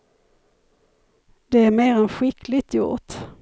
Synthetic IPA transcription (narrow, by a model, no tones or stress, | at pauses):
d̪ɛæɾmeːɾɛnɧɪkʰlɪt̪ʰjʊ̰ɾt̪